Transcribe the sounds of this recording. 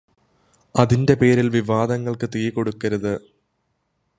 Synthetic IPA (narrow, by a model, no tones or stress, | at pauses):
ɐðinde̞pe̞ːɾilʋiʋaːd̪ɐŋːɐɭkɨt̪iːko̞ɽukːɐɾɐðɨ